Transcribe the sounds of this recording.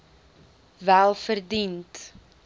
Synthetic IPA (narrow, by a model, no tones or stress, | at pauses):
vælˠfərdint